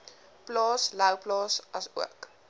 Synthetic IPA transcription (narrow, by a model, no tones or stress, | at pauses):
plɑːsləwplɑːsɐsṵək